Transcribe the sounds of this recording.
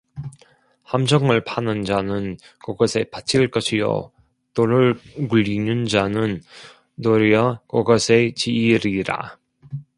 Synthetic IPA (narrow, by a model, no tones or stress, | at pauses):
hamd͡ʑʰʌŋɯɭpʰanɯnd͡ʑanɯn | kʌɡʌsʰe̞pat͡ɕʰiɭk͈ʌɕʰijo̰ | toɾɯɭkuʎːinɯnd͡ʑanɯn | toɾijʌkʌɡʌsʰe̞t͡ɕiːɾiɾa̰